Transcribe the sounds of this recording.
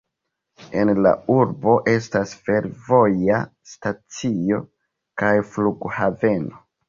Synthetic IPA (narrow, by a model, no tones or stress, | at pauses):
e̞nla̰uɾbo̞ʔe̞s̬tasfe̞ɾvo̞ja | stat͡sio̞ | kajfluɡhave̞no̞